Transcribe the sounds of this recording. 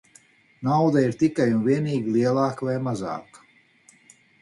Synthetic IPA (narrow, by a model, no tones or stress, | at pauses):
nawd̪aiɾt̪ikajunviɛniːɡʲilˠiɛlˠaːkvajmaza̰ːkḁ